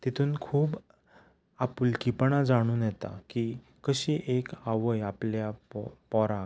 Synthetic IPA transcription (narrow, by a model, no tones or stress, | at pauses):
t̪it̪ʰuːnkʰuːb | apuːlkipɳ̃ãd͡zaɽ̃uːnjɛt̪a̰ki | kːəɕiːʔekaʋəjapljapɔɾa